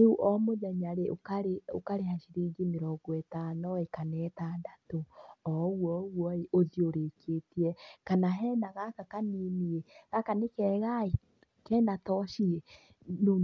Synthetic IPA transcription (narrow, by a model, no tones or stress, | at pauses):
nuuʔɔmoðɛɲaɾeokaɾeo̰kaɾeɦaʃiɾiːɡimeɾɔɡwɛtanɔekanɛːtadatoɔɣwɔɣwɔeʔoðioɾekʰetiɛkanaɦɛːnaɣakakaninieɣakanekɛːɣae | kɛːnatɔʃie | nu